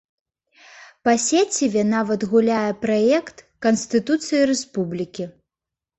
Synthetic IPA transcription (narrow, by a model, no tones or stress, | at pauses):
pɐsʲet͡sʲivʲɛnavɐd̪ɣulʲajɛpɾajɛkt̪ | kɐnsʲt̪ɨt̪ut̪sɨjɐɾɛspublʲikʲi